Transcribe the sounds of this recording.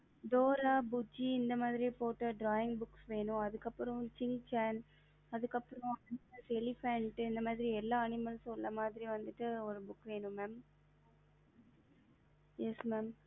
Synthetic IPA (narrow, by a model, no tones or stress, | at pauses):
d̪oːɾaːbʊd͡ʒiɪnd̪ɐmaːðɪɾipoːʈːɐɖɾaːɪŋɡbʊksʋeːnʊ̃ɐðɯkːɐpːɯɾɐ̃t͡ʃɪnt͡ʃaːn | ɐðɯkːɐpːɯɾɔ̃ɐnɪmɐlsɛlɪfɛɳʈːɪnd̪ɐmaːðɪɾiɛlːaːɐnɪmɐlsɔlːɐmaːðɪɾiʋɐnd̪ɯʈːɯɔɾɯbʊkːʋeːɳɯ̃mɛːm | jɛsmɛːm